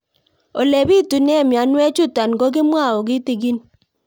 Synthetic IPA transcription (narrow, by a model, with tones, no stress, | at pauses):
o˨le˨bi˦tu˨nɛ˦˨mja˨˦nwɛ˦t͡ʃu˦ta˨nɡo˦k̬ɪ˦mwa˦˨o˨ɡɪ˦ti˨ɡi˦n